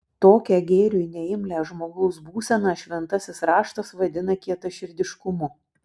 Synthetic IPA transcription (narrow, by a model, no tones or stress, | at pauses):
t̪oːkʲɛɡʲeːɾʲunʲɛɪmʲlʲæːʒmoːɡɐʊsbuːsʲɛnɑːʃʲʋʲɛnt̪ɐsʲɪsɾɑːʃt̪ɐsʋɐd̪ʲɪnɐkʲiɛt̪ɐʃʲɪɾʲd̪ʲɪʃkʊmʊ